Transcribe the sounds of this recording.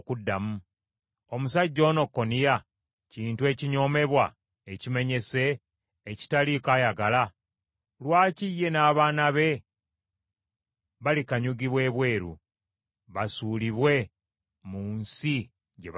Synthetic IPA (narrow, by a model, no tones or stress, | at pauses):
kudːamu | o̞musaɟːo̞ːno̞kːo̞nija | ciːntue̞ːciɲo̞ːme̞βwa | ecime̞ɲe̞se̞ː | ci̥talikaːjaɡala | lwaːcijːe̞naːβaːnaβe̞ | βalikaɲuɡiβwe̞ːβwe̞ːɾṵ | βasuːliβwe̞ | muːnsi | ɟḛ